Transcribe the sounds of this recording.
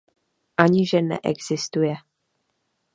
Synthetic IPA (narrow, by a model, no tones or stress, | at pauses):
ʔaɲɪʒɛnɛ̰ʔɛ̰ɡz̥ɪst̪ujɛ